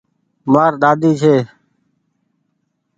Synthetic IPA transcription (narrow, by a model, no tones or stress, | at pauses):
maːɾɗ̪aːd̪iːt͡ʃʰeː